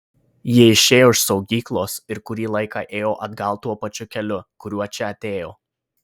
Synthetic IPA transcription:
jiɛɪʃʲeːjoːɪʃsɒʊɡʲiːklˠoːsɪɾkʊɾʲiːlˠɐɪkɑːʔeːjoːʔɐd̪ɡɐlˠt̪uɔpɐt͡ʃʲʊkʲɛlʲʊkʊɾʲuɔt͡ʃʲɛɐt̪ʲeːjoː

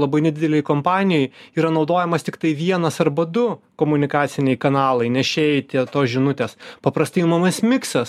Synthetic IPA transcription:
lˠɐbɐɪnʲɛd̪ʲɪd̪ʲɛlʲɛɪkompɑːnʲɪjɔjiːɾɐnɒʊd̪oːjɛmɐst̪ʲɪkt̪ɐɪʋʲiɛnɐsɐɾbɐd̪ʊkomʊnʲɪkɑːsʲɪnʲɛɪkɐnɑːlˠɐɪnʲɛʃʲeːjt̪ʲiɛt̪oːsʒʲɪnʊt̪ʲeːspɐpɾɐst̪ɐɪmɐmɐsmʲɪksɐs

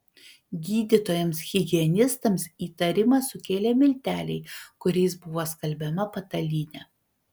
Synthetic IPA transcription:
ɡʲiːd̪ʲɪt̪oːjɛmsɣʲɪɡʲɪɛnʲɪst̪ɐmsiːt̪ɐɾʲɪmɐsʊkʲeːlʲeːmʲɪlʲt̪ʲæːlʲɛɪkʊɾʲɛɪsbʊʋoːskɐlʲbʲɛmɐpɐt̪ɐlʲiːnʲɛ

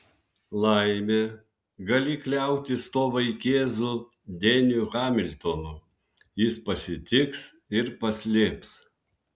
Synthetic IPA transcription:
lˠɐɪmʲeː | ɡɐlʲɪklʲæˑʊt̪ʲɪst̪oːʋɐɪkʲeːzuː | d̪ʲenʲuɣɑːmʲɪlʲt̪onuː | jɪspɐsʲɪt̪ʲɪks | ɪɾpɐsʲlʲeːps

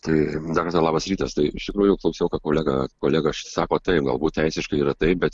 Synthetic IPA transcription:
t̪ɐɪd̪ɐrkɐɾt̪ɑlˠɑːbɐsɾʲiːt̪ɐst̪ɐɪɪʃt̪ʲɪkɾuːjʊjʊklˠɐʊsʲɛʊkɐp̚koːlʲæːɡɐkoːlʲæːɡɐʃsɑːkoːt̪ɐɪp̚ɡɐlˠbuːt̪̚ʲtʲɛɪsʲɪʃkɐɪiːɾɐt̪ɐɪp̚bʲɛt̪

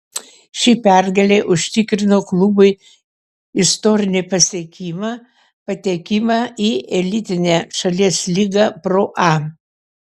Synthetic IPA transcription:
ʃʲipʲæɾɡɐlʲeʔʊʃʲt̪ʲɪkɾʲɪnoːklˠʊbʊɪ | ɪst̪oɾʲɪnʲɪpɐsʲiɛkʲimɐ | pɐt̪ʲɛːkʲɪmɑiːʔɛlʲɪt̪ʲɪnʲæʃɐlʲiɛslʲiːɡɑpɾoːʔɑ

